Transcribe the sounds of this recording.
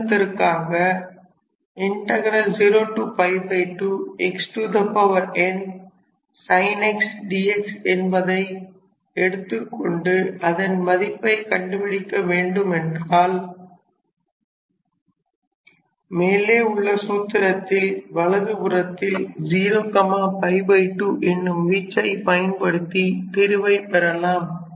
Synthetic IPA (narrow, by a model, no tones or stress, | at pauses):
t̪ːɐɾkːaːɣɐ | ɪɳʈɐɣɐɾɐld͡ʒiːɾoːʈːuːpɐɪpɐɪʈːuɛksʈuːd̪ɐpɐʋɐɾʔɛn | sɐɪnɛksɖiːɛksɛnbɐðɐɪ | ɛɽɯt̪ːɯkːɔɳɖɯɐðɐnmɐðɪpːɐɪkɐɳɖɯpɪɽɪkːɐʋeːɳɖɯmɛndraːl | meːleːʊɭːɐsuːt̪ːɪɾɐt̪ːɪlʋɐɭɐðɯbɯɾɐt̪ːɪld͡ʒiːɾoːkɐmaːpɐɪbɐɪʈːuʔɛnːɯmʋiːt͡ʃːɐɪpɐjɐnpɐɽɯt̪ːit̪ɪɾɯʋɐɪpɛɾɐlaːm